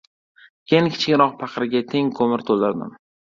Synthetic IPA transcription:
kʰʲeŋkʲʰɪ̥t͡ʃʰɪkʲɾɒq̚pʰɑqɾɪɡʲat̪ʰe̞ŋkʰomɪɾt̪ʰolˠaɾd̪ɪ̰m

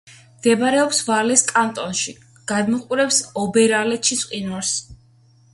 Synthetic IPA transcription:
md̪̥ɛbaɾɛɔpsvalɛskʼant̪ʼɔnʃi | ɡ̥ad̪mɔqʼuɾɛpsɔbɛɾalɛt̪ʃisʼqʼinɔɾs

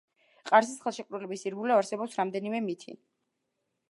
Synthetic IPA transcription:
qʼaɾsisχɛlˠʃɛkʼvɾɛlɛbisiɾɡulɛvaɾsɛbɔpsɾamd̪ɛnimɛmit̪ʰḭ

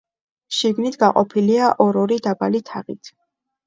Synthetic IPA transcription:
ʃiɡnit̪ʰɡaqʼɔpʰiliaʔɔɾɔɾid̪abalit̪ʰaʁḭt̪ʰ

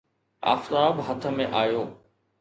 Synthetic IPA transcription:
a̰ːft̪aːbɦɐt̪ʰə̆mẽʔaːjoː

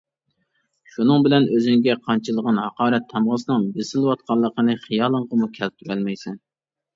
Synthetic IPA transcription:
ʃunɨŋbɪlɛnøzyŋɡʲɛqʰɑnt͡ʃʰɨlˠəʁɑnhɑqɑːɾɛt̪ʰːɑmʁɑsɨnɨŋbesɪlwɑt̪̚qʰɑlˠːəqənɨχijɑːlˠəɴʁəmukʲʰɛlp̚t̪ʰyɾɛlmɛjsɛn

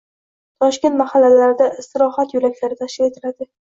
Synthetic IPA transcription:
t̪ʰɒʃkʲe̞nt̪mahalːalaɾɪd̪aɪst̪ɪɾɒhat̪jʊlakʲlaɾɪt̪ʰaʃkʲɪɾe̞t̪ʰɪlad̪ɪ

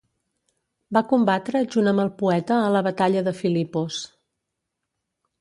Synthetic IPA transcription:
bakumbat̪ɾəʒunəməlˠpuɛt̪əːləβət̪aʎəðəfilipos

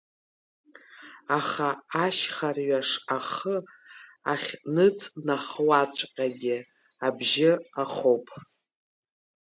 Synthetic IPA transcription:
aχaaʃχarɥaʂaχə | aχʲnɨt͡sʼnaχwat͡ʃʷʰʼqʲʼaɡʲɪ | abʒɪaχowpʼʰ

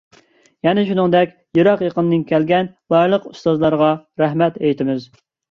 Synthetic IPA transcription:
jɛnɪʃunɨŋd̪ɛkʲ | joɾɑqjeqənnɨŋkʲʰɛlɡʲɛnbɑɾlˠəqust̪ɑzlˠɑɾəʁɑɾæɦmɛt̪ɛjt̪ʰɪmɪz

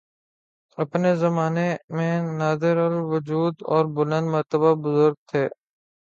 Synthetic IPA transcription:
əpneːzəmaːnemẽːnaːd̪ɪɾəlʋʊd͡ʒuːd̪ɔːɾbʊlə̃nd̪məɾt̪əbabʊzʊɾɡ̚t̪ʰeː

